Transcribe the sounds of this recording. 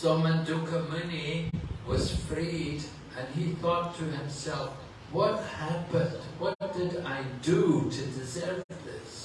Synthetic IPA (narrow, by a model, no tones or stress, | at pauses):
sɔmɨ̃ndukʰəmɨniwʌz̥fɹid | ɨ̃niθɔtʰɨɨ̃msɛlˠf | wʌt̚hæpɨ̃ndwʌt̚d̥ɨɾaɪdɨɾʰɨdɨzɜ˞vðɪ̰s